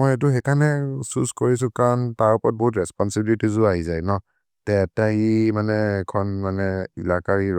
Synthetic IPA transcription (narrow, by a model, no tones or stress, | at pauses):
mɔjɛt̬uxɛkʰanɛsuskoɹisʊ̃kaɹntaɹɔpɔɔt̚bɔɦutɹɛspɔnsibilitʰizʊaɦizajnɔ | tɛtaimanɛːkʰɔnmanɛilakaɹiɹ